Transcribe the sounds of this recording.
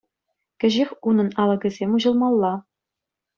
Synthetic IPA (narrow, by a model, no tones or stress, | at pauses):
kʲɘ̆ʑexʲunɤ̆nɑlˠɤ̆ɡʲɘ̆zʲemʲuʑɤ̆lˠmɑlˠːɑ